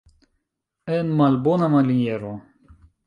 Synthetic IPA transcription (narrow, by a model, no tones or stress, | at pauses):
ɛnmalbonamalinjeɾo